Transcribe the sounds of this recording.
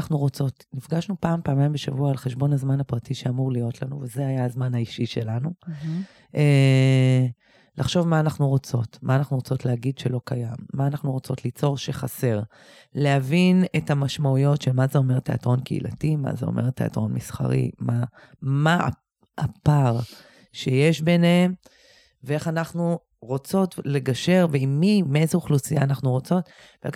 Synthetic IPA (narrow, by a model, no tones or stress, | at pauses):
aχnuʁo̞t͡so̞tnifɡaʃnupaːmpaːmajmbeʃavuaːlχeʃbo̞nazmanhapʁatiʃeamuʁlijo̞tlanuvezeajaazmanaiʃiʃelanu | ʔe | lʔaχʃo̞vmaːnaχnuʁo̞t͡so̞tmaaːnaχnuʁot͡so̞tleaɡidʃelo̞kajamːaːnaχnuʁo̞t͡so̞tlit͡so̞ʁʃeχase̞ʁ | leavine̞tamaʃmaujo̞tʃelmazeo̞me̞ʁte̞a̰tʁo̞nkeḭlʔa̰tima̰zeo̞̰mʔeʁte̞a̰tʁo̞nmisχa̰ʁḭma | maa̰ | a̰paʁ | ʃejeʃbenehem | vee̞χanaχnu | ʁot͡so̞tle̞ɡaʃe̞ʁveimːimeezeuχlusijaːnaχnuʁo̞t͡so̞t | vḛ